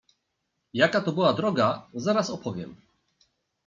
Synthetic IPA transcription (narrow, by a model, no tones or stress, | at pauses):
jakat̪ɔbɘwad̪ɾɔɡazaɾasɔpʰɔvʲjɛ̰m